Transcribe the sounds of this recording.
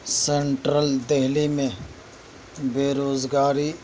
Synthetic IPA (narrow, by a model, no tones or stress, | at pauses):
seɳʈɾəld̪ɛɦlimẽ | beːɾoːzɡaːɾi